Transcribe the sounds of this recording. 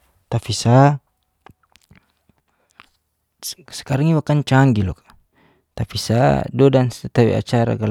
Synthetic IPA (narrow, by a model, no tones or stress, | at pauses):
t̪afisa | sɛ̥kaɾaŋiwakant͡ʃaŋɡilɔkḁ | t̪afisadɔdansɛt̪awḭa̰t͡ʃaɾa̰ɡal